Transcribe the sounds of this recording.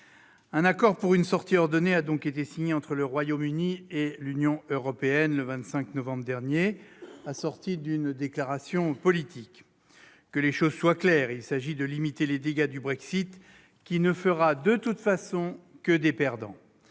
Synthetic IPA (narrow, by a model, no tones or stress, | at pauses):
ɛ̃nakɔʁpuʁynsɔʁt̪iɔʁd̪ɔnead̪ɔ̃ket̪esiɲeɑ̃t̪χələʁwajomynielynjɔ̃øʁɔpeɛnləvɛ̃t̪sɛ̃knɔvɑ̃bʁd̪ɛʁnjeasɔʁt̪id̪ynd̪eklaʁasjɔ̃pɔlit̪ʰikː | əleʃozswaklɛːʁilsaʒid̪əlimit̪eled̪eɡad̪ybʁɛksit̪ | kʲinəfəʁad̪ət̪ut̪fasɔ̃kəd̪epɛʁd̪ɑ̰̃